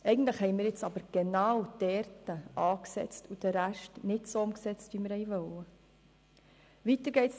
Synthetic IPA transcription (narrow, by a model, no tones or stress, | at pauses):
ʔɛɪɡən̩t̪ləχhɛɪmɪːɾjɪt͡sɑbəɾɡ̥enɑːwd̥ɛɾtəɑːksɛ̰t͡stud̥əɾæʃtnɪtsoʊmksɛt͡stʋimɪɾhɛɪʋœwə | ʋitəɾɡ̥ɛɪts